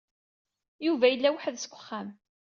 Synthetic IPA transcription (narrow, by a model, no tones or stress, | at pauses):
juvæjəlːæwəħəðsə̥kʷːə̥χːæm